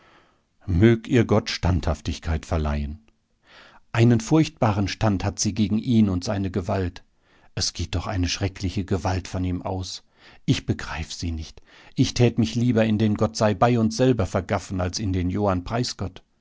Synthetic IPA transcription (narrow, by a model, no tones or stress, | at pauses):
møːk̚tʔiːɐɡɔtʃtanthaftɪçkʰaɪtfɛɐla̰ɪən | ʔaɪnənfʊɐçt̚b̥aːʁənʃtanthatz̥iːɡeːɡŋ̩ʔiːnʊntz̥aɪnəɡəvalt | ʔɛsɡ̥eːt̚d̥ɔχʔa̰ɪnəʃʁ̥ɛkʰlɪçəɡəvaltfɔniːmʔa̰ʊs | ʔɪçb̥əɡʁaɪfəz̥iːnɪçt | ʔɪçtʰɛːtmɪçliːbɐɪndeːnɡɔtz̥aɪbaɪʊnsz̥ɛlbɐfɛɐɡafn̩alsɪndeːnjoːanpʁ̥aɪsɡ̥ɔt